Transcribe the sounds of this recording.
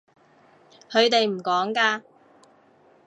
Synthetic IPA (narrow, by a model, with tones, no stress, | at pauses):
hʰɵ˨˧ɥt̪e˨jm̩˨˩kɔː˨˥ŋkaː˧